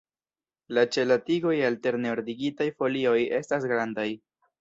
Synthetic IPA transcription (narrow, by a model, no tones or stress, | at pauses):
lat͡ʃe̞latiɡo̞jalte̞ɾneoɾdiɡitajfo̞lio̞je̞stas̬ɡɾandaj